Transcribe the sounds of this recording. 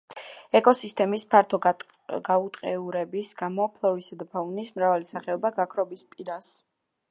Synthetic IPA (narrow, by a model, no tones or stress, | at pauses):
ɛkʼɔsist̪ʼɛmispʰaɾt̪ʰɔ | ɡaut̪ʼqʼɛuɾɛbisɡ̥amɔpʰlˠɔvisad̪apʰavunismɾavalisaχɛɔbaɡakʰɾɔbispʼiɾas